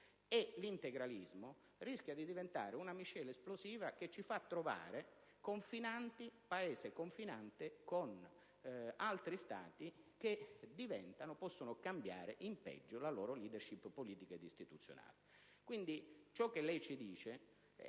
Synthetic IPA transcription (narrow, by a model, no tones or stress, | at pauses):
elint̪eɡɾalizmo | risk̟jad̪id̪ivent̪a̰ːɾeunamiʃɛːlesploziːvaket͡ʃːifat̪ːɾova̰ːɾe | koɱfinant̪ipaeːzekoɱfinant̪ekon | alt̪ɾist̪a̰ːt̪ik̟ed̪ivɛ̰nt̪anopɔsːonokambja̰ːɾeʔimpɛ̰d͡ʒːolaloːɾoliːd̪erʃipːoliːt̪iked̪ist̪it̪ut̪sːjo̰na̰ːli | kwind̪it͡ʃɔkːelɛjt͡ʃid̪iːt͡ʃe